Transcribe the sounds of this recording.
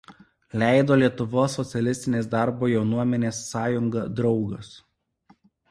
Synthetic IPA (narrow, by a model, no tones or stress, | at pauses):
lʲæˑɪd̪oːlʲiɛt̪ʊʋoːsːɔt̪sʲɛlʲɪsʲt̪ʲɪnʲeːs̬d̪ɑˑɾboːjɛʊnuɔmʲɛnʲeːsːɑːjʊŋɡɐd̪ɾɒʊɡɐs